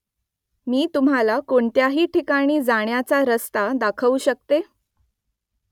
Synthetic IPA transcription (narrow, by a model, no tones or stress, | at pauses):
miːt̪um̤alakoɳt̪jaɦiːʈʰikaɽ̃iːd͡zaɳjat͡saɾəst̪ad̪akʰəuːɕək̚t̪e